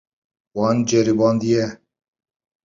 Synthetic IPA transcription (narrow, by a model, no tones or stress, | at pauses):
wɑːnd͡ʒɛɾibɑːnd̪ijɛ